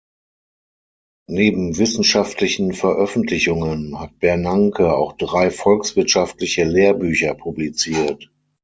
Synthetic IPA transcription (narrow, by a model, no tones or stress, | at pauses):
neːbm̩vɪsn̩ʃaftlɪçn̩fɛɐʔœfn̩tʰlɪçʊŋənhat̚b̥ɛɐnaŋkʰəa̰ʊxd̥ʁaɪfɔlksv̥ɪɐtʃaftlɪçəleːɐbyːçɐpʰublit͡siːɐt